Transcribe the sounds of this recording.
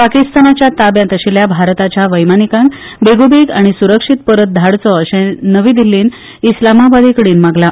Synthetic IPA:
pakist̪anat͡ɕjat̪abjãnt̪əɕiljabʱaɾt̪at͡ɕjaʋəjmanikãŋk | beɡobiɡaɽ̃isuɾəkʂit̪̚pəɾət̪̚d̪ʱaɽt͡sɔəɕɛ̃nəʋiːd̪ilːiːn | islamabad̪ʱikɽiːnmaɡla

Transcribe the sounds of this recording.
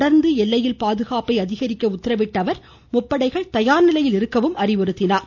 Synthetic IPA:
ɽɐɾnd̪ɯɛlːɐjɪlpaːðɯɣaːpɐɪɐðɪɣɐɾɪkːɐʊt̪ːɪɾɐʋɪʈːɐʋɐɾ | mʊpːɐɽɐɪɣɐɭt̪ɐjaːɾnɪlɐjɪlɪɾɯkːɐʋɯmɐrɪʋɔɾɯt̪ːɪnaːɾ

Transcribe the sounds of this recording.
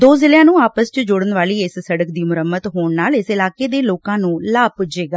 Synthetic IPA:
d̪oːzɪljãːnũːaːpəst͡ʃəd͡ʒʊɽənʋaːliːɪssəɽək̚d̪iːmʊɾəmːət̪ɦoːɳnaːlɪsɪlaːkeːd̪eːloːkãːnũːlaːpʊd͡ʒeːɡaː

